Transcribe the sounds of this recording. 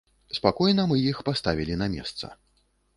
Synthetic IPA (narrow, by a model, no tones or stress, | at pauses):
spakɔjnɐmɨjixpast̪avʲilʲinɐmʲɛ̰st̪sɐ̰